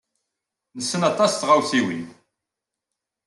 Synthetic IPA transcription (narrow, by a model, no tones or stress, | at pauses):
nəsːənɑt̪ˤɑsθʁawθiwḭn